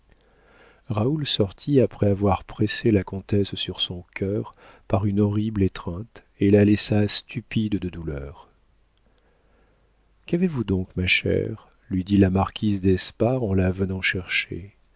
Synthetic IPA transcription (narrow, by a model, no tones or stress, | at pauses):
ʁaulsɔʁt̪ʰiapχɛavwaʁpχeselakɔ̃t̪ɛsːyʁsɔ̃kʲʰœʁ | paʁynɔʁiblet̪χɛ̃t̪ | elalɛsast̪ypid̪d̪əd̪ulœːʁ | kavevud̪ɔ̃kmaʃɛ̰ʁ | lɥid̪ilamaʁkʲizd̪ɛspaʁɑ̃lavənɑ̃ʃɛʁʃḛ